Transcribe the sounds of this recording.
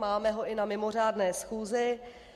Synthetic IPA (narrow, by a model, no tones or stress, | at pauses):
maːmɛɦo̞ʔɪnamɪmo̞r̝aːdnɛːsxuːzɪ